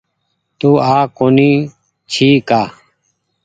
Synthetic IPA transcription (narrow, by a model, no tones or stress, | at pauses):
t̪uːaːkoːniː | t͡ʃʰiːkaː